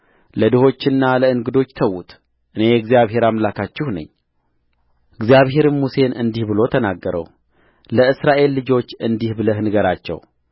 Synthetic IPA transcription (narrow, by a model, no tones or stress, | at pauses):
ləd̪ɨho̞t͡ʃːɪnːaləɨŋɡɨd̪o̞t͡ʃːt̪ʰəwːut̪ | ʔɨne̞jɛɡzijaβhe̞ɾamlakʰat͡ʃːɪhnə̰ɲː | ɨɡzjaβɦe̞ɾɨnmuse̞nɨnd̪ihbɨlo̞t̪ʰənaɡːəɾʔə̰w | ləɨsɾaʔe̞lːɨd͡ʒo̞t͡ʃːɨnd̪ihbɨləhnɨɡəɾat͡ʃːɛ̰w